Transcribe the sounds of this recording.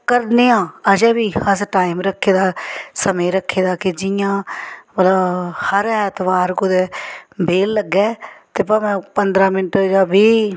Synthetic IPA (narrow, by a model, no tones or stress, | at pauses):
kəɾneːãːəd͡ʒɛːbiːəsʈaːiːmɾəkʰːeːd̪aːsəmẽːɾəkʰːeːd̪aːkɪd͡ʒɪjãːbəlahəɾɛːt̪ʰʋaːɾkʊd̪eːbeːlːəɡːɛːt̪eːpəmɛ̃ːpənd̪ɾãːmɪnʈd͡ʒaːbiː